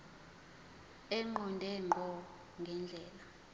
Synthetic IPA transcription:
ɛŋ͡ǃɔndʱɛŋ͡ǃŋ͡ǃʱɔ | ŋɡʱɛnd͡ɮʱɛːla

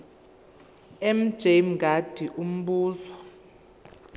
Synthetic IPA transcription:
ɛm̩d̥ʒ̥ʱemɡʱad̥ʱiʔum̩ɓuːzɔ

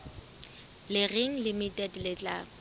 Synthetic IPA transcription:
lɪreŋ̩limitʼɛdlɪt͡ɬʼa

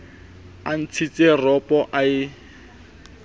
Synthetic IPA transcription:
an̩t͡sʰit͡sʼerɔpʼɔʔaɪ

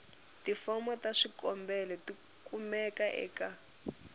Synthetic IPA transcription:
tifɔmɔtaʂikɔmbɛlɛti | kʼumɛkaʔɛ̰ːka

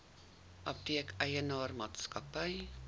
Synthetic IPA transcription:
ʔɐp̚tiəkʰəjənɑːrmɑːtskɐpəj

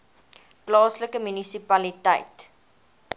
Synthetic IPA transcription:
plɑːsləkəmynisipɐlitə̰jt

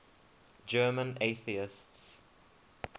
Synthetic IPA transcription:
d͡ʒɜːmə̃neθiɪsts

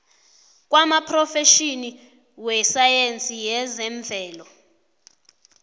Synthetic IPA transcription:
k̬ʼwamapʰrɔfɛʃini | wɛsajent͡sʼijɛzɛɱvʱɛːlɔ

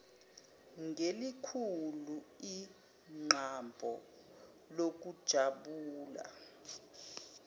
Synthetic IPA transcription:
ŋʱelikʰului | ŋ͡ǃʱambʱɔ̰ | lok̬ud̥ʒ̥ʱaɓuːla̰

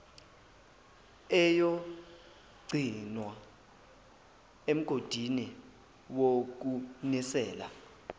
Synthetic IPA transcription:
ɛjo | ɡ͡ǀʱinwa | em̩ɡ̥ʱod̥ʱini | wok̬unisɛːla̰

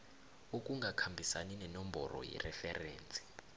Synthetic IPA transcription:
okʼuŋɡʱakʰambʱisaninɛnɔmbɔrɔ̰jɛ̰rɛfɛrɛːnt͡sʼi̥

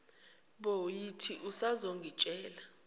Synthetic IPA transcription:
ɓojitʰiʔusazoŋɡʱit͡ʃʼɛːla

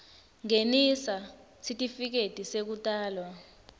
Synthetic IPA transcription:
ŋenisa | sʰitʼifik̬etʼisek̬utʼaːlwa

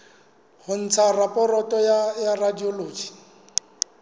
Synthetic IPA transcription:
hʊn̩t͡sʰarapʼɔrɔtʼɔjajaradioloːd͡ʒi̥

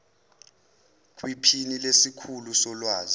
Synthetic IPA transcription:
k̬ʼwipʰinilesikʰulusɔlwaːzi

